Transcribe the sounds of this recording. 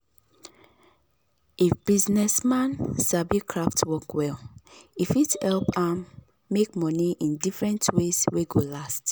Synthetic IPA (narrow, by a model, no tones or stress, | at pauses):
ifb̥iznɛsmãnsabikʰɹaftwɔkwɛlifithɛlpãmː | ek̚mɔniʔĩndifɹɛ̃ntwez̥weɡolast